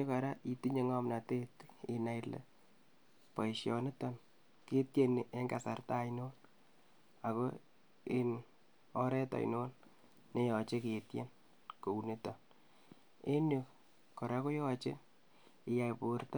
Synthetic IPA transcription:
e˦ka˨ɾa˦i˨ti˦ɲe˨ŋɔ˦mna˨te˦ti˨na˨jlḛ˨ | pa˨iʃjɔ˨ne˦tɔ˨n | ke˦tje˦n˨ʔe˦ŋɡa̰˨sa˨rta˦inol | a˨ko˦ | e˦n | ɔ˦ɾɛ˦ta̰˨ḭno˦l | ne˦jɔ˨t͡ʃe˦ke˨tje˦n | ko˨u˨ne˦tɔ˨n | e˦nu˨ | kɔ˨ɾa˦ko˦jɔ˦t͡ʃe˦ | ɪ˨ja˨jpo˨rt

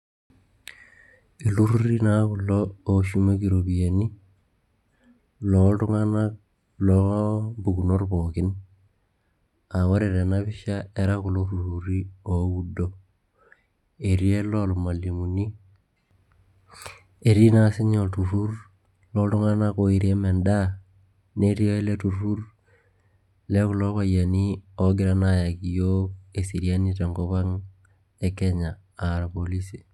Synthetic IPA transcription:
i˨lu˦ɾuɾi˦nakulːɔː˨ʃu˦ma˦kiɾobijani˦ | lɔtu˦ŋana | lɔbu˨ku˨norbokɪ˦n | a˨wa˦ɾi˨ɾe˨naβɪ˦ʃae˦ɾa˦ku˨lo˦ɾuɾuɾi˦o˨wudo | e˨ɾi˦e˦loa˨lu˨ma˨li˨muni˦ | e˨ɾi˦na˦si˦ɲo˨tu˨fur | lotu˦ŋa˦na˦koi˨ɾie˦me˨nda˦ | ne˦ɾi˦o˦le˦tu˨ɾu˦r | le˦ku˨lo˦βa˨ja˨nio˨ɡɪ˦ɾa˦naja˨kijoke˨si˨ɾia˦ni˦te˨ŋko˦βa˦ŋ | e˦ke˦ɲaː˨ | ɾa˨poli˦si̥˨

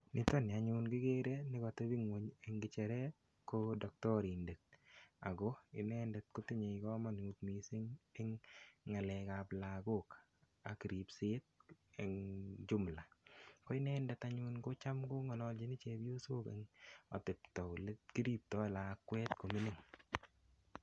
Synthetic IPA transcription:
nɪ˨tɔ˦nɪ˨a˨ɲʊnɡɪ˦ɡe˦ɾe˦nɪ˦kɔ˨tɔ˦bi˦ŋwo˨ɲe˨ŋɡɪ˨t͡ʃɛ˨ɾɛ˦ | kodɔ˨k̚tɔ˦ɾi˨nde˨k̚a̰˨ɡɔ˦ɪ˦nɛ˦ndɛ˨t̚kʊ˦tɪ˦ɲe˨kɔ˦mɔ˨n˨utmi˨sɪ˦ŋɪ˦ŋːa˨lɛ˨kaplaɡo˦k | a̰˨ki˨ɾi˨psɪ˦t̪̚eŋd͡ʒʊ˦mla˨kɔ˦ɪ˦nɛː˦ndɛ˨taɲʊnko˦t͡ʃa˦mko˦ŋɔ˨lɔ˨ld͡ʒɪ˦nɪ˦t͡ʃe˨bjo˦so˦kḛŋɔ̰˨tɪ˨ptɔ˨le˦ki˦ɾi˦p̚tɔ˦la˨kːwɛ˦t̪̚ko˨mi˦nɪ˦ŋ

